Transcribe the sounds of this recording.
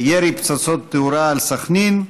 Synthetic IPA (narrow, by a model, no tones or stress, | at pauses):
jeɾipt͡sat͡sot̪ːeuɾaːlsaχnin